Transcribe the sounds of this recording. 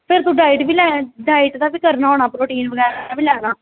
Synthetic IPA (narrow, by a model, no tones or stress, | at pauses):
pʰɪɾt̪uːɖaːiʈʋiːlɛːɖaːiːʈd̪aːbiːkəɾnaːoːnaːpɾoːʈiːnʋəɡɛːɾːbiːlɛːnaː